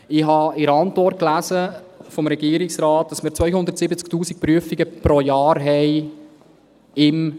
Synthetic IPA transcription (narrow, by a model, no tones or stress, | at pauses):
ɪɦɑɪɾɑntʋɔrt̚klæzəfɔmɾɛɡiəɾɪksɾɑːt̚d̥ɑsmɪːɾt͡sʋœjhʊnd̪əɾtsɪbət͡sk̚tuːsik̚pɾyəfiɡəpɾojɑːɾɦɛj | ɪm